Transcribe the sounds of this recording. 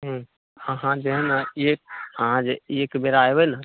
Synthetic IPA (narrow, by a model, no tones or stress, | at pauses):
ɦ | əɦãd͡ʒeɦnaek̚əɦãd͡ʒeekbeɾajbɛna